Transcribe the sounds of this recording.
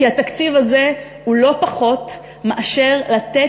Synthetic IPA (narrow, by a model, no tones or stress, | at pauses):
iat̪akt͡sivaze̞ | hulo̞paχo̞t̪ | meʔaʃe̞ʁlat̪e